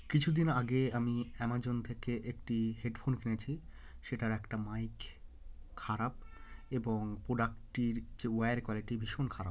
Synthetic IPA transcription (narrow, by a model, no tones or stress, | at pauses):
kit͡ɕʰud̪inaɡeamiɛmad͡ʑont̪ʰekeʔekʈiɦeɖpʰonkinet͡ɕʰi | ʃeʈaɾɛkʈamajk | kʰːaɾab̚eboŋpɾoɖakʈiɾd͡ʑewajɾkwaliʈibʱiʃonkʰaɾab